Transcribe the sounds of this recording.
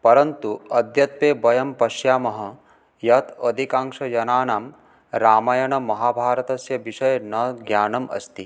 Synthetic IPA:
pɐɾɐnt̪uɐd̪ʱjɐt̪ʋeːbɐjɐmpɐʃjaːmɐɦɐ | jɐt̪ɐd̪ʱikaːŋʂɐjɐnaːnaːm | ɾaːmɐjɐɳɐmɐɦaːbʱaːɾɐt̪ɐsjɐʋiʂɐjɐnɐɡjaːnɐmʔɐ̰st̪i

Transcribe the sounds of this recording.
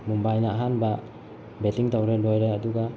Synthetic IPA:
mumbajnaɦanba | bɛtiŋtawɾɛlɔjɾajaduɡa

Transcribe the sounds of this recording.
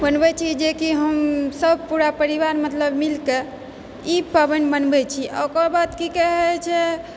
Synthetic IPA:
bənbɛt͡ʃʰid͡ʒekiɦəmsəb̚puɾapəɾiʋaɾmət̪ləbmilke | ipəbənbənbɛt͡ʃʰiʔə̰kəbad̪kikɛɦɛt͡ʃʰɛ

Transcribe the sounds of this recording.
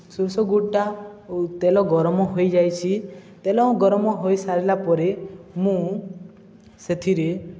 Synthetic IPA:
suɾsɔɡuʈːat̪elɔɡɔɾmɔɦojd͡ʒajt͡ʃʰit̪elɔũɡɔɾɔmɔɦojsaɾilapɔɾemũ | set̪ʰiɾe

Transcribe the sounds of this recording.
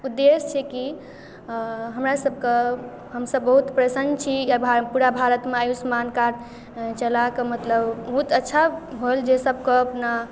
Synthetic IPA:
ud̪ːest͡ʃʰɛki | ɦəmɾasəb̚ʱke | ɦəmsəbːəɦut̪pɾesənt͡ʃʰiabʱapuɾabʱaɾət̪meajusmankaɾ | t͡ʃəlakemət̪ləbbəɦut̪ətːʃʰaɦold͡ʒesəb̚ʱkeəpna

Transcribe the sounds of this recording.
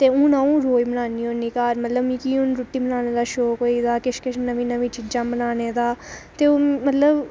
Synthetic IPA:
t̪eːũːnaːũːɾoːibənaːniːoːniːkaːɾmət̪ləbmĩːkiːʊnɾʊʈːiːmənaːneːd̪aːʃoːkoːiːd̪aːkɪʃkɪʃnəʋĩːnəʋĩːt͡ʃid͡ʒãːmənaːneːd̪aːt̪eːoːmət̪ləb

